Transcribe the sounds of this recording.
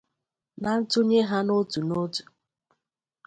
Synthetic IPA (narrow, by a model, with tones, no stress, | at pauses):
na˨n̩˦tʊ˦ɲe˦ɦa˦no˦tu˨no˦tu̥˨